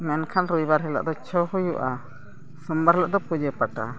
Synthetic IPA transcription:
menkʰanɾujβaɾɦila̰ʔd̪ot͡ʃohujuʔa | sumbaɾlaʔd̪opudepata̰

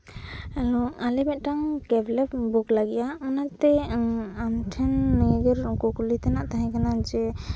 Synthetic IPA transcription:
alɔalɛbɛʔ̪̚ˀʈaŋkɛblɛpbuklaɡɛjaɔnat̪ɛamʈʰɛnːɛɡɛɾkɔkulit̪ɛnaʔt̪aɦɛ̃kanad͡ʒɛ

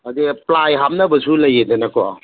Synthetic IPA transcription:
ɐdiplajɦamnɐbɐsulɐjedenɐkoa̰

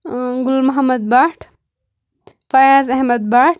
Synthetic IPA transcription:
ɡʊlmɐɦɐmɐd̪̚baːʈʰ | fajazɐɦmɐd̪̚baːʈ̚

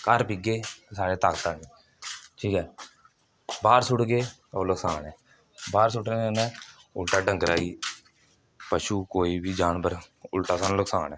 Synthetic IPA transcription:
kəɾpiɡeːsaːɽeːt̪aːkt̪aːniː | ʈʰiːkɛː | baːɾsʊʈɡeː | oːləksaːnɛː | baːɾsʊʈeənɛ̃ːʊlʈaːɖə̃ŋkəɾaːiː | pəʃuːkoːiːbiːd͡ʒaːnbəɾʊlʈaːsaːnləksaːnɛ̃ː

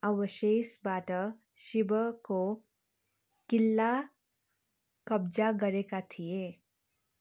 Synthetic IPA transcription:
əwəʃeːsbaːʈə | ʃɪbəko | kɪlːa | kəbd͡ʒaɡɐɾekat̪ʰijeː

